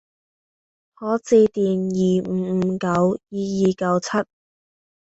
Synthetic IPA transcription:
hɔː˨˧˥t͡siː˧t̪iː˨njiː˨˩m̩ː˨˧m̩˨˧kɐ˨˧wjiː˨˧jiː˨kɐ˨˥wt͡sʰɐ˥t̚

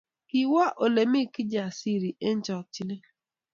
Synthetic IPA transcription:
ki˨wa˦ʔo˨le˨mi˦ki˦d͡ʒa˨si˦ɾi˨e˦n˦t͡ʃɔ˨k̚t͡ʃi˦ne˦

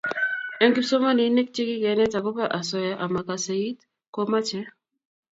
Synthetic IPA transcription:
ɛ˦nki˦pso˦ma˦ni˨˦ne˦k̚t͡ʃe˦ki˦kɛ˨nɛ˦ta˨ko˦pa˦ʔa˨sɔ˦ja˦ʔa˨ma˨ka˨se˨i˦t | ko˦ma˦t͡ʃɛ˦

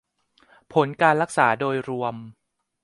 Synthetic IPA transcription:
pʰo˩˦nkaː˧nɾa˦˥k̚saː˩˦doː˧jɾu˧əm

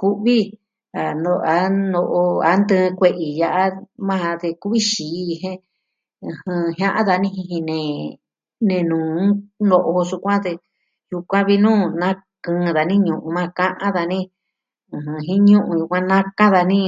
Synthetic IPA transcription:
ku˦βi˦ | a˨nd̪o˧˨a˨˦no˧ʔo˧a˨˦nd̪ɨ̃ː˦˧kʷe˧ʔi˨ja˧ʔa˦mã˦˧t̪e˧ku˦βi˦ʃiː˨˧ɦẽ˦ | ɨ̃˧hɨ̃˧ɦã˦ʔã˦ða˧nĩ˦ɦĩ˧ɦĩ˧nẽ˨ | nẽ˧nũː˨˦no˧ʔo˧ʂu˧kʷã˦t̪e˧ | ju˧kʷã˦βi˧nũː˦nã˦kɨ̃ː˧ða˨nĩ˦ɲũ˧ʔũ˧mã˧kã˦ʔã˦ða˧nĩ˦ | ɨ̃˨ɦɨ̃˧ɦĩ˦ɲũ˦ʔũ˧ju˧kʷã˧nã˦kã˦ða˧nĩ˦

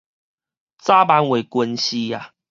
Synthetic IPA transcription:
t͡sa˦ba˦nwe˨˩kwə˧nɕi˦a˨

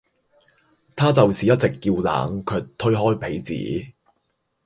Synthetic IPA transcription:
t̪ʰaː˥t͡sɐ˨wsiː˨jɐ˥t̚t͡sɪ˨kːiː˧wla̰ː˨ŋkʰɵː˨˧t̪ʰɵ˥ɥɦɔː˥jpʰe˨˥jt͡sḭː˨˥

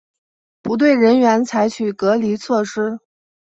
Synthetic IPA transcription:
pu˧˥t̪̬we˥˩ɪɻə˧˥nɥɛ˧˥nt͡sʰa˧˥ɪt͡ɕʰy˨˩kɤ˧˥li˧˥t͡sʰwɔ˥˩ʂɻ̩˥

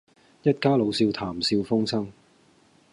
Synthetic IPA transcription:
jɐ˥t̚kaː˥lo˨˧wsiː˧wt̪ʰaː˨˩msiː˧wfʊ˥ŋsɐ˥ŋ

